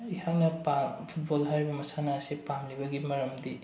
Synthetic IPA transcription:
ihak̚nɐpapʰut̚bolɦaɾibɐmɐsanaːsipamlibɐɡimɐɾɐmdi

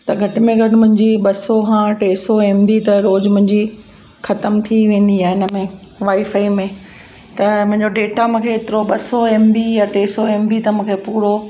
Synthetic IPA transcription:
t̪ɐɡʱɐʈɪ̆mẽɡʱɐʈɪmʊ̃ɦɪ̃ɲd͡ʑiɓɐsokʰãʈeːsoeːmbit̪ɐɾoːd͡ʑmʊ̃ɦɪ̃ɲd͡ʑi | xɐt̪əmt̪ʰiʋẽːn̆d̪iaːɪnə̆mẽ | ʋaːifaːimẽ | t̪ɐmʊ̃ɦɪ̃ɲd͡ʑoɖeːʈamũːkʰeɪt̪ɪɾoɓɐsoeːmbijaʈeːsoeːmbit̪ɐmũːkʰepuːɽo

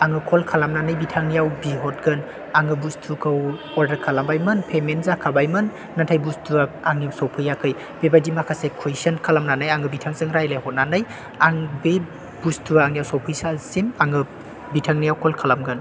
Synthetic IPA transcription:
aŋɯkʰɔlkʰalamnanɯjbitʰaŋnijawbiɦɔt̚ɡɯn | aŋɯbustʰukʰɯw | ɔɾdɐɾkʰalambajmɯnpʰemenzakʰabajmɯnː | atʰajbustʰuaaŋnijawsawpʰɯjakʰɯj | b̥ebajdimakʰasekʰejsənkʰalamnanajaŋɯbitʰaŋsɯŋɾajlajhɔt̚nanɯj | aŋbe | b̥ustʰuaaŋnijawsawpʰɯjsalsinaŋɯ | bitʰaŋnijawkʰɔlkʰalamɡɯn

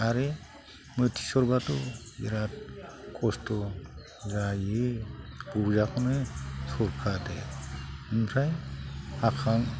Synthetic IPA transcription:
aɾe | mɯtʰi̥sɔɾbatɔ | ḭɾat̚kʰɔstɔ | zaji | b̥uzakʰɔnɯsɔɾkʰade | ɯmsʰajakʰaŋ

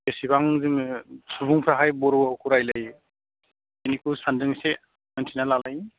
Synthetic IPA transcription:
besibaŋzɯmsʰubuŋpʰɾaɦajbɔɾuawkʰuɾajlaj | enikusandɯŋse | mɯntʰinalalaj

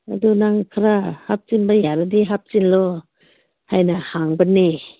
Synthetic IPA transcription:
adunaŋkʰaɾahap̚t͡ʃinbajaɾadiɦap̚t͡ʃinlo | hajnahaŋbanːi

